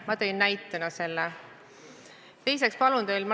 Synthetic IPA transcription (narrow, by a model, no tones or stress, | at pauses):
mɑt̪ejnːæjt̪ːˑɑnɑse̞lːe | t̪e̞js̬e̞kspɑlund̪̥ejlm